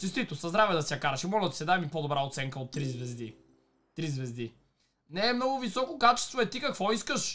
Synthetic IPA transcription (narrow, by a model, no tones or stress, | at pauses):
t͡ʃ̪ɛst̪it̪osɐzd̪ɾavɛd̪ɐsʲjɐkaɾɐʃimɔld̪t̪sɛd̪amipod̪obɾaot̪sɛŋkəot̪ːɾizvɛzd̪i | t̪ɾizvɛzd̪i | nɛːmnɔɡʊvisɔkokat͡ʃɛ̥st̪voɛt̪ikɐkvɔiskəʃ